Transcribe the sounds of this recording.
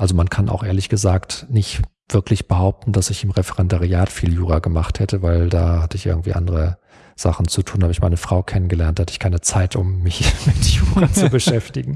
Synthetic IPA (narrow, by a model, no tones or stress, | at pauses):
ʔalzomankʰanʔa̰ʊxʔeːɐlɪçɡ̥əzaːktnɪçt | v̥ɪɐklɪçb̥əɦaʊp̚tn̩d̥asɪçɪmʁɛfəʁɛndaʁiaːtfiːljuːʁaɡəmaχthɛtəvaɪldaːhatəɪçʔɪ̰ɐɡŋ̩tv̥ḭːʔa̰ndəʁə | z̥a̰χn̩t͡sutʰuːnhaːbəɪçma̰ɪnəfʁ̥aʊkʰɛnənɡəlɛɐntahɛtəɪçkʰaɪnət͡saɪtʰʊmːɪçmɪtjuːʁat͡subəʃɛftɪɡŋ̩